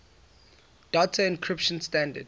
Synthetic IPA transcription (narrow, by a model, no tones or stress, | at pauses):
d̥atʰaɪ̃nkʰɹɪpʃə̃nstãndəd